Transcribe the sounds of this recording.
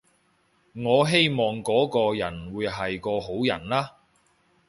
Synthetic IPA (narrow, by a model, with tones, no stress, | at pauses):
ŋɔː˨˧ɦe˥jmɔː˨ŋkɔː˨˥kɔː˧jɐ˨˩nwuː˨˧jɦɐ˨jkɔː˧ɦo˨˥wjɐ̰˨˩nlaː˥